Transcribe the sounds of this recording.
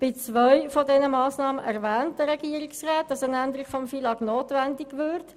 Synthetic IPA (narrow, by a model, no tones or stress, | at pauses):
b̥ɪt͡svœʏfɔdɛnəmɑːsnɑːməʔɛʁvɛːntd̥əɾɛɡ̥iəɾiksʁaːt̚d̥ɑsənændəɾiɡ̥fɔmfilɑknoːtʋɛndɪɡʋʏɾt